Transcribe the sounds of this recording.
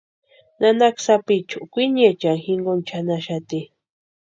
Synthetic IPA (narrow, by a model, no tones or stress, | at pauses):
nanaksapit͡ʃʊʔkʷiɲet͡ʃaŋxiŋɡont͡ʃʰanaʃat̪i